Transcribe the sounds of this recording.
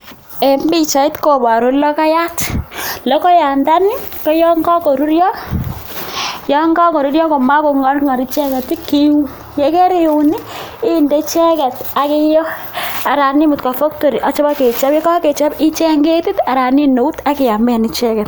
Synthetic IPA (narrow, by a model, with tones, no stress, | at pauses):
e˨mbi˦t͡ʃa˨ɪ˦tko˨ba˨ɾo˨˦lɔ˦ka˦ja˦tlɔ˦kɔ˦ja˨nda˦nɪ˦kɔ˦jɔ˦ŋɡa˦ko˨ɾu˦ɾjɔ˦ | jɔ˦ŋɡa˦ko˨ɾu˦ɾjɔ˦ko˨ma˦ko˨ŋɔ˦ɾŋa˨ɾi˨t͡ʃɛ˦kɛ˨ti˦ki˦wu˦ | je˨ke˦ɾi˨u˨ni˦ɪ˦nde˦t͡ʃɛ˦kɛ˨ta˨kɪ˦jɔ˦a˨ɾa˨ni˦mu˨tka˨fo˦k̚to˨ɾi˨ʔa˨t͡ʃɔ˦ba˦ke˨t͡ʃa˦pi˦ka˦ke˨t͡ʃa˦bɪ˦t͡ʃɛ˦ŋɡe˦ti˦ta˨ɾa˨ni˦no˨u˦ta˦kɪ˨ja˨mbɛ˦˨ni˨t͡ʃɛ˦kɛ˨t